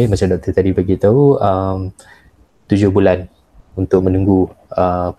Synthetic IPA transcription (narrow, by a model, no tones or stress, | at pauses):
emat͡ʃadɔk̚t̪ət̪adibaɡit̪auəm | t̪ud͡ʒʊhbulan | unt̪ʊk̚mə̃nuŋɡuəp